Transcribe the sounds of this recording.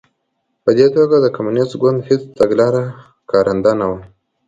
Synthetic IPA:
pəd̪et̪oɡad̪əkamunɪst̪ɡʊnd̪hɪt͡st̪aɡlɑɾa | kɑɾʔand̪anawa

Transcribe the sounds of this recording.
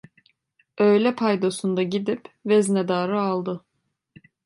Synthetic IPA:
øjlʲɛpʰajd̪osund̪aɟid̪ipvɛznɛd̪aːɾɯalˠd̪ɯ

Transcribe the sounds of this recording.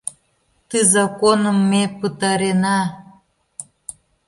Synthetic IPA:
t̪ɨzɑkonəmːepət̪ɑɾenɑ

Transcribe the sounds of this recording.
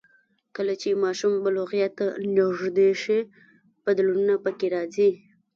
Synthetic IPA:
kəlat͡ʃemɑʃumbaloɣjat̪anaʐd̪eʃi | b̥ad̪lununapəkeɾɑzi

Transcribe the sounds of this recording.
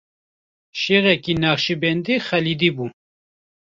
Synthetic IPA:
ʃeːɣɛkinaːχʃibɛnd̪ixɛlid̪iːbu

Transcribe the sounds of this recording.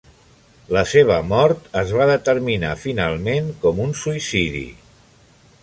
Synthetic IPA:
ləseβ̞əmɔɾt̪əzβaðət̪əɾmina̰finalˠmeŋkɔmunsuisiðḭ

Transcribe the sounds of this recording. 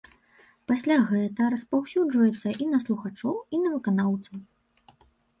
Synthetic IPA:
pasʲlʲaɣɛt̪ɐɾɐspawsʲud͡ʐvɐjɛt̪sːɐʔinɐslˠuxat͡ʂɔwinɐvɨkanawt̪sɐw

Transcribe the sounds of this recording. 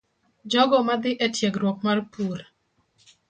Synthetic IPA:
d͡ʒɔɡɔmad̪ɪʔɛtjɛɡɾwɔk̚marpuɾ

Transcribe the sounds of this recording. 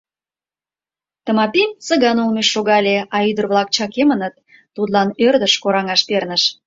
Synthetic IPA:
t̪ə̆mɑpimsə̆ɣɑnulmeʃːoɣɑlʲeɑyd̪ərβlɑk̚t͡ɕɑkemənət̪̚ː | ut̪lɑnørd̪əʃkoɾɑŋɑʃpernəʃ

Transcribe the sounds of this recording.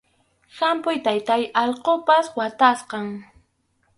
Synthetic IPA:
xampʊjt̪ajt̪ajɑʎqopaswat̪asqɑŋ

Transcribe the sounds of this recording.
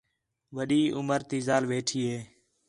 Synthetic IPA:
ʋəɗiːʔʊməɾt̪iːzaːlʋeːʈʰiːɦeː

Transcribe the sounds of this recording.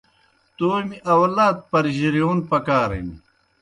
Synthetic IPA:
t̪oːmiʔɐwlaːt̪̚pɐɾʑiɾijoːnpɐkaːɾɐ̰mi

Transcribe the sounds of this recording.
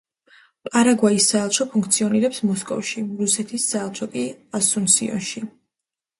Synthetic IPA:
pʼaɾaɡwaisaɛlˠt͡ʃʰɔpʰuŋk̚ʰt̪sʰiɔniɾɛpsmɔskʼɔ̰fʃiɾusɛt̪ʰisːaɛlˠt͡ʃʰɔkʼiasunsḭɔ̰nʃi

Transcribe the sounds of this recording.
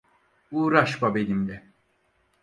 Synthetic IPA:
uːɾaʃbabe̞lʲimlɛ

